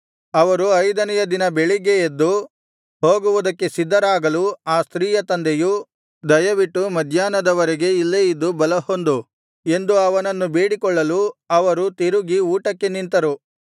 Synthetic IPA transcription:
ɐʋɐɾuɐjd̪ɐnɛjɐd̪inɐbe̞ɭiɡeed̪ːu | ɦoːɡuʋud̪ɐkːe̞sid̪ːɐɾaːɡɐluaːst̪ɾiːjɐt̪ɐnd̪eju | d̪ɐjɐʋiʈːumɐd̪ʱjaːnɐd̪ɐʋɐɾeɡe̞ilːeːjid̪ːubɐlɐhond̪u | e̞nd̪uɐʋɐnɐnːubeːɽikɔɭːɐluɐʋɐɾut̪iɾuɡiuːʈɐkːe̞nint̪ɐɾu

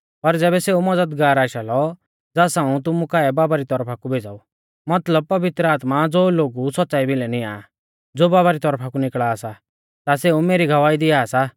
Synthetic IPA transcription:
pɐɾd͡zɛːbɛseːumɐd͡zəd̪ɡaːɾaːʃalɔ | d͡zaːsãːũt̪̬ʊmukaːɛbaːbaɾit̪ɔɾpʰakubʱeːd͡za̰ːu | mɐt̪ləb̚pɐʋɪt̪ɾəaːt̪mad͡zoːloːɡusɔt̪ːt͡saːibɪlɛnɪa̰ | d͡zoːbaːbaɾit̪ɔɾpʰakunɪkɭaːsa | t̪aseːũmeːɾiɡʱɐʋaːid̪ɪaːsa

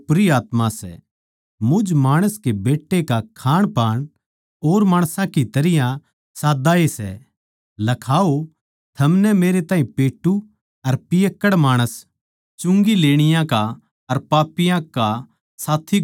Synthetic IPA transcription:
pɾiaːt̪mãsɛ̰ | mʊd͡ʒmaːɽ̃əskebeːʈːekakʰaːɽ̃paːɽ̃ | oːɾmaːɽ̃sãkit̪ɐɾɪjã | saːd̪aesɛ̰ | lɐkʰaːo | t̪ʰɐmnɛmeːɾet̪ãːĩpeːʈːu | ɐɾpɪjəkːəɽmaːɽ̃əs | t͡ʃʊ̃ŋɡileːɽ̃ɪjãka | ɐɾpaːpɪjãka | saːt̪ʰːi

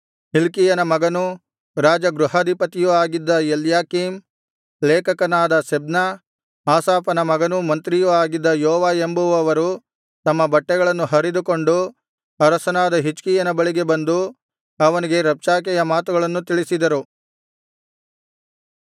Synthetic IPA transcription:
ɦilkijɐnɐmɐɡɐnu | ɾaːd͡ʒɐɡɾuɦɐd̪ʱipɐt̪ijuaːɡid̪ːɐeljaːkiːm | leːkɐkɐnaːd̪ɐsebnɐ | aːsaːpɐnɐmɐɡɐnumɐnt̪ɾijuaːɡid̪ːɐjɔːʋaːembuʋɐʋɐɾu | t̪ɐmːɐbɐʈːɛɡɐɭɐnːuɦɐɾid̪uko̞ɳɖu | ɐɾɐsɐnaːd̪ɐɦit͡ʃkijɐnɐbɐɭiɡe̞bɐnd̪u | ɐʋɐniɡe̞ɾɐp̚t͡ʃaːk̬ɛjɐmaːt̪uɡɐɭɐnːut̪iɭisid̪ɐɾu

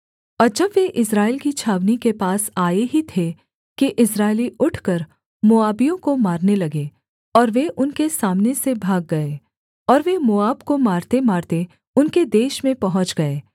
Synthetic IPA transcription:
ɔːɾd͡ʒɐbʋeʔɪsɾaːɪlkit͡ʃʰaːʋnikepaːsaːeɦit̪ʰe | kiʔɪsɾaːɪliʔʊʈʰkəɾ | moːaːbijõkomaːɾnelɐɡeː | ɔːɾʋeʔʊnkesaːmnesebʱaːɡːɐe | ɔːɾʋemoːaːbkomaːɾt̪emaːɾt̪e | ʊnked̪eːʃmẽpɐɦʊ̃t͡ʃɡɐeː

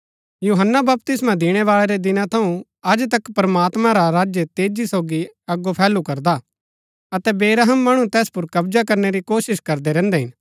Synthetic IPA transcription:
juːɦənːabɐp̚t̪ɪsmãd̪ɪɽ̃ɛʋaːɭeɾed̪ɪnãt̪ʰɐũ | ɐd͡ʒt̪ɐkpɾɐmaːt̪mãɾaɾaːd͡ʒjət̪eːd͡ʒisoːɡiɐɡːopʰɛːlukɐɾd̪a | ɐt̪ɛbeːɾaɦəmːɐɽ̃ũt̪ɛːspʊɾkɐbd͡ʒakɐɾneɾikoːsɪʃkɐɾd̪ɛɾɛ̃ːnd̪ɛɦɪn

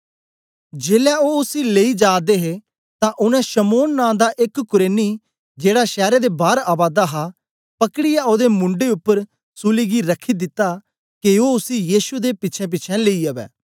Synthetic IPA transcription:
d͡ʒeːlɛːoːʊsiːleiːd͡ʒaːd̪eːɦeː | t̪ãːʔʊnɛ̃ːʃəmoːnːãːd̪aːʔɪkkʊɾeːniː | d͡ʒeːɽaːʃɛːɾeːd̪ebaːɾaːbaːd̪aːɦaː | pəkəɽɪjaoːd̪eːmʊ̃ɳɖeʊpːəɾ | suːliːɡiɾəkʰːiːd̪ɪt̪ːaː | kioːʊsijiːsud̪eːpɪt͡ʃʰɛ̃p̬ɪːt͡ʃʰɛ̃leiɐʋɛ̰ː

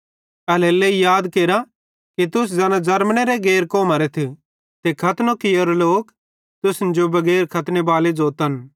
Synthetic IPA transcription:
ɐleːleijaːd̪keːɾa | kit̪ʊs̬d͡zɐːnãd͡zɐɾmɽ̃eɾeɡeːɾkoːmaːɾet̪ʰi | t̪ekʰɐt̪nokɪjoːɾloːk | t̪ʊsnd͡ʒobɐɡɛːɾkʰɐt̪nebaːled͡zoːt̪ɐn

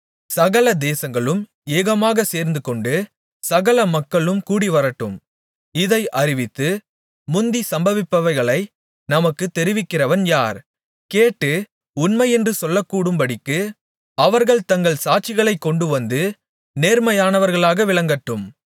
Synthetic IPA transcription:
sɐɣɐɭɐd̪eːsɐŋɡɐɭɯm | eːɣɐmaːɣɐseːɾnd̪ɯkɔɳɖɯ | sɐɣɐɭɐmɐkːɐɭɯmkuːɽiʋɐɾɐʈːɯm | ɪðɐɪʔɐɾɪʋɪt̪ːɯ | mʊnd̪isɐmbɐʋɪpːɐʋɐɪɣɐɭɐɪ | nɐmɐkːɯt̪ːɛɾɪʋɪkːɪrɐʋɐnjaːɾ | keːʈːɯ | ʊnmɐɪɛndrɯsɔlːɐkːuːɽɯmpɐɽɪkːɯ | ɐʋɐɾɣɐɭt̪ɐŋɡɐɭsaːʈ̚t͡ʃːɪɣɐɭɐɪkːɔɳɖɯʋɐnd̪ɯ | neːɾmɐjaːnɐʋɐɾɣɐɭaːɣɐʋɪɭɐŋɡɐʈːɯm

